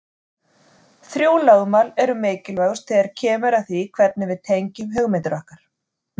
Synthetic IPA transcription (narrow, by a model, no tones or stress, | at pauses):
θɾjuːlaːɣmalɛɾʏmeːcɪlvaɣʏ̥st̪θɛːðaɾ̥cʰɛːmʏɾaθvikʰvɛt̪̚nɪvɪðt̪ʰejɲcʏmɦœɣmɪnt̪ʏɾɔhkaɾ̥